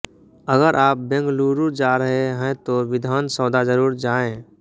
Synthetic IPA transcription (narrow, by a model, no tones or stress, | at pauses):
əɡəɾʔaːp̚bɛ̃ŋɡluːɾuɾd͡ʒaːɾəɦeɦɛ̃t̪oʋɪd̪ʱaːnsɔːd̪ad͡ʒəɾuːɾd͡ʒaːẽ